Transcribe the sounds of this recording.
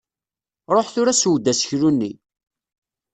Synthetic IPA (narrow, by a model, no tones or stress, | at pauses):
ɾˤoħθʊɾæswd̪ːæsə̥çɾunːḭ